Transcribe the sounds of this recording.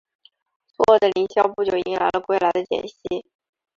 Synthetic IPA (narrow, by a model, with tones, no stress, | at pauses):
swɔ˧˥wɔ˥˩d̪ə˨li˧˥ŋɕjɑ˥ʊpu˥˩t͡ɕjo˥˩ʊḭ˧˥ŋla˧˥ɪlə˧kwe˥˩ɪla˧˥ɪd̪ə˧t͡ɕjɛ̰˨˩nɕi˥˩